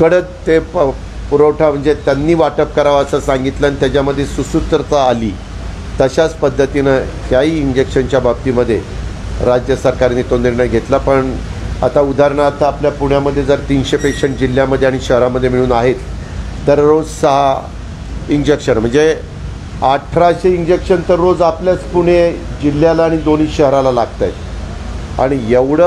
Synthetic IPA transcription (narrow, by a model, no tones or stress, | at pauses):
kəɽət͡st̪e | puɾowʈʰam̤əɳd͡zet̪janːiːʋaʈəp̚kəɾaʋəsasaŋɡit̪lanit̪jat͡ɕjaməd̪ʱːjesusut̪ɾət̪aːliː | t̪əɕat͡spəd̪ʱːət̪inəkjaɦiːind͡ʑekɕənt͡ɕjabab̚t̪iːməd̪ʱːje | ɾad͡ʑjəsəɾkaɾnit̪oniɾɳəjɡʱet̪lapəɳ | a̰t̪aud̪ʱaɾɳat̪ʰapljapuɳjaməd̪ʱːjed͡zəɾt̪iːnɕepekɕeɳʈ̚d͡ʑil̤jaməd̪ʱːeaɽ̃iɕəɦɾãməd̪ʱːjemiɭ̃uːnaɦet̪ː | əɾːod͡zsəɦa | ind͡ʑekɕənm̤əɳd͡ze | aʈʰɾaɕeind͡ʑekɕənt̪əɾːod͡zapljat͡spuɽ̤̃ed͡ʑilːjalaːɽ̃id̪oniːɕəɦɾalalaɡt̪ajt̪ | a̰ɽ̃ijeʋɽə